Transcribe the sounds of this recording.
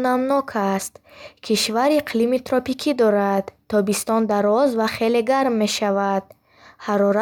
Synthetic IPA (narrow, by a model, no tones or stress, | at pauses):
namnɔkʰast̪kʰiʃvaɾiqʰlimit̪ʰɾɔpikʰid̪ɔɾad̪t̪ʰːɔbist̪ɔnd̪aɾɔzvaχe̞le̞ɡaɾmːe̞ʃavad̪̥̚ | haɾɔɾa